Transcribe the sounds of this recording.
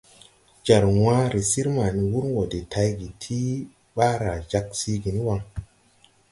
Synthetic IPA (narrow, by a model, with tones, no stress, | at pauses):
d͡ʒa˨ɾwa˦ɾi˨si˦ɾma˨ni˨wu˦ɾwo˨de˨tʰa˧jɡi˨tʰi˦ | ɓa˦ɾa˨d͡ʒa˦ksi˦ɡi˨ni˦wa˧ŋ